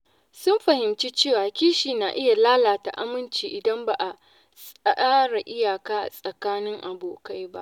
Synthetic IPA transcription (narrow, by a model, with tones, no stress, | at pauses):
sʊ˦mɸɐ˨hɪ˨mt͡ʃiː˦t͡ʃeː˦˨waː˨kʲiː˦ʃiː˨na˨ʔɪ˦ja˨laː˦laː˨ta̰˨ʔa˦mɪ˦nt͡ʃiː˨ʔɪ˨dɐ˦mba˨ʔa˨ | sʼɐ˦ʔaː˦ɽa˨ʔɪ˦jaː˨kaː˦ʔa̰˨sʼɐ˨kaː˦nɪ˦ŋʔa˨boː˨ka˦jba̰˦ʔʔ